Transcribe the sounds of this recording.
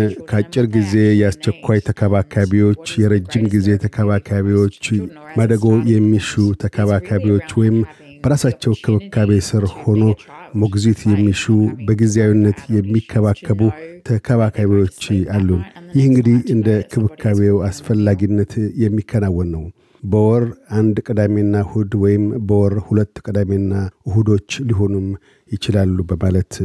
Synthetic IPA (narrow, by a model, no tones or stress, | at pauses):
kʰəat͡ʃʼːɪɾɡize̞jɛast͡ʃɛkʰʷːajt̪ʰəkʰəβakʰaβiwo̞t͡ʃːjɛɾəd͡ʒːɪmɡize̞t̪ʰəkʰəβakʰaβiwo̞t͡ʃːməd̪əɡo̞jɛmːiʃut̪ʰəkʰəβakʰaβiwo̞t͡ʃːwɔjɪm | b̥əɾasat͡ʃːɛwkʰɨβɨkʰːaβesɨɾho̞no̞moɡzit̪jɛmːiʃubəɡizeawinːət̪jɛmːikʰːəβakʰːəβut̪ʰəkʰəβakʰaβiwot͡ʃːalːunjɪhɨŋɡɨd̪ihɨnd̪əkʰɨβɨkʰːaβewasfəlːaɡinːət̪jɛmːikʰːənawːɔnːəw | bəwɔɾand̪kʼɨd̪ame̞ɨnːahud̪wɔjɪmbəwɔɾhulət̪ːkʼɨd̪ame̞nːaɨhud̪o̞t͡ʃːliɦo̞num | jɪt͡ʃɪlalːubəmalət̪